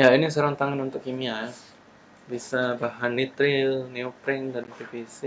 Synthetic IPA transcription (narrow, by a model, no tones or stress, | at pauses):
jainisəɾaŋt̪aŋanunt̪ʊkːimiaa | bisabaɦanːit̪ɾɪlneopɾɛŋdanpefisi